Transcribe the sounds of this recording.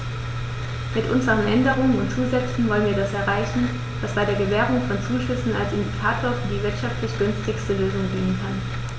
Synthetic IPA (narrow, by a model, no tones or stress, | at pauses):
mɪtʔʊnzəʁənʔɛndəʁ̞ʊŋənʊntt͡suːzɛt͡sn̩vɔlənviːɐdasɛɐʁaɪçn̩ | v̥asb̥aɪdeːɐɡəvɛːʁʊŋfɔnt͡suːʃʏsn̩alsɪndikʰaːtʰoːɐfyːɐdiːvɪɐtʃaftlɪçɡ̥ʏnstɪçstəløːzʊŋbʁɪŋənkʰan